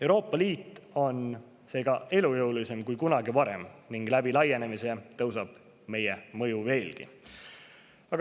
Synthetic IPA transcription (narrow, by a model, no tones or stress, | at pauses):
ewɾo̞ːpːˑɑliːt̪ːˑo̞n | se̞ːɡ̥ɑe̞lujɤwlise̞mkujkunɑɡivɑɾe̞̰mniŋɡ̥læb̥ilɑje̞ne̞mise̞t̪ɤwsɑb̥ | me̞jemɤjuve̞ːlɡ̥ḭ | ɑɡ̥